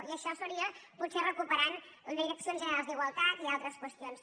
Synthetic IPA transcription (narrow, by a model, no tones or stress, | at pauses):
iəʃɔsəɾiəput̪serəkupəɾaniɾəksionzʒənəɾalˠzd̪iɣwəlˠt̪at̪ialˠt̪ɾəskwəst̪ions